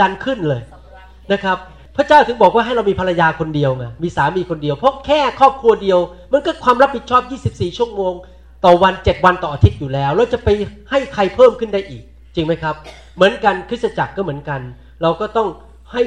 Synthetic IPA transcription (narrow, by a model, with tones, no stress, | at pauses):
a˧nkʰɯ˥˩nlɤː˧j | na˦˥kʰa˦˥p̚ | pʰɾa˦˥t͡ɕaː˥˩wt̪ʰɯ˧˦ŋbɔː˨˩k̚waː˥˩ɦa˥˩jɾa˧wmiː˧pʰa˧ɾa˧jaː˧kʰo˧ndi˧əwŋaː˧miː˧saː˩˦miː˧kʰo˧ndi˧əwpʰɔ˦˥kʰɛː˥˩kʰɔː˥˩p̚kʰu˧ɐdi˧əwma˧˥nkɔː˥˩kʰwaː˧mɾa˦˥p̚ʰːi˨˩t̪̚t͡ɕʰɔː˥˩p̚jiː˥˩si˨˩p̚siː˨˩t͡ɕʰu˥˩əŋmoː˧ŋ | t̪ɔː˨˩wa˧nt͡ɕe˨˩t̪̚wa˧nt̪ɔː˨˩ʔaː˧t̪ʰi˦˥t̪̚juː˨˩lɛː˦˥wɾa˧wt͡ɕa˨˩pa˧jha˥˩jkʰa˧jpʰɤː˥˩mkʰɯ˥˩nda˥˩jʔiː˨˩k̚ | t͡ɕi˧ŋma˦˥jkʰa˦˥p̚ | mɯ˩˦ənka˧nkʰɯ˦˥sa˧t͡ɕa˨˩kːɔː˥˩mɯ˩˦ənka˧n | ɾa˧wkɔː˥˩t̪ɔ˥˩ŋ | ha˥˩j